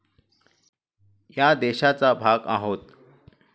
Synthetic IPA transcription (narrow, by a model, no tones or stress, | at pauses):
jad̪eɕat͡sabʱaɡa̰ɦot̪